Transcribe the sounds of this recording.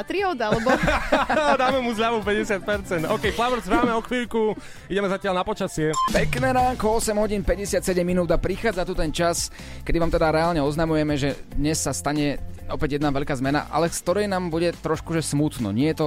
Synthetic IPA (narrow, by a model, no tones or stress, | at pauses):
at̪ɾiɔːd̪alɛbɔ | d̪aːmɛmuzʎaʋupɛɟɛsɪat̪̚pɛɾt͡sɛnd̪ɔʊkɛjflaʋɾzɾaːmɛɔxʋiːʎku | iɟɛmɛzacɪalnapɔt͡ʃasɪɛpɛknɛːɾaːŋkɔɔsɛmɦɔɟiːnpɛɟɛsɪat̪sɛɟɛmːinuːd̪apɾixaːd͡zat̪ut̪ɛnt͡ʃas | kɛd̪iʋaːmt̪ɛd̪aɾɛaːlɲɛɔznamujɛmɛʒɛd̪ɲɛsːast̪aɲɛɔpɛɟjɛd̪naʋɛʎkaːzmɛna̰ʔa̰lɛskt̪ɔɾɛjnaːmbuɟɛt̪ɾɔʃkuʒɛsmut̪nɔ̰ɲɪɛjɛt̪ɔ